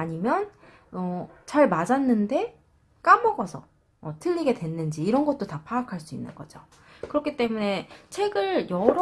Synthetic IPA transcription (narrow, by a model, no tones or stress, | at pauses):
aɲimjʌn | ʌt͡ɕaɭmad͡ʑanːɯnde̞ | k͈amʌɡʌsʰʌ | ʌtʰɯʎːiɡe̞dwe̞nːɯnd͡ʑiːɾʌnɡʌt̚t͈otapʰaːkʰaɭs͈uinːɯ̰nɡʌd͡ʑo | kɯɾʌkʰit͈e̞mune̞t͡ɕʰe̞ɡɯɭjʌɾ